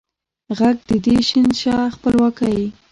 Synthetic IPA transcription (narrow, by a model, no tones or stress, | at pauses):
ɣaɡ̚d̪əd̪eʃinʃɑxpəlwɑkaj